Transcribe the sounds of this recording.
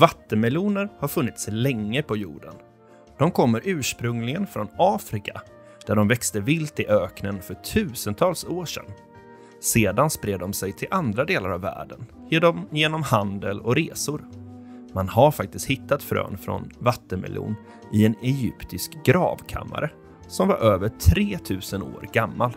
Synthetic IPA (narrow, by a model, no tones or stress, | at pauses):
vat̪ːəmɛluːnəɾhaɾfɵnːɪt̪slɛŋːəpʰɔjṵːɖə̰n | d̪̥ɔmkʰɔmːəɾʔʉ̟ːʂpɾɵŋlɪɡənfɾɔnɑːfɾɪka | d̪̥æɖɔmvɛkst̪əvɪlt̪ɪʔøːknənfœʈʰʉ̟ːsənt̪ʰɑːlsoːʂɛ̰nː | seːd̪anspɾeːd̪ːɔmsɛjt̪ʰɪlʔand̪ɾad̪eːlaɾavːæ̰ːɖən | jejeːnɔmhand̪əlɔ̰ɾeːsʊɾmanɦaɾfak̚t̪ɪst̪hɪt̪ːat̪fɾø̰ːnfɾɔ̰nvat̪ːənmɛ̰lʔṵːn | ɪɛnɛjʏpt̪ɪskɡɾɑ̰ːvkʰa̰mːa̰ɾʔə | sɔmva̰ɾʔøːvəʈʰɾeːt̪ʰʉ̟ːsəno̰ːɾɡamːal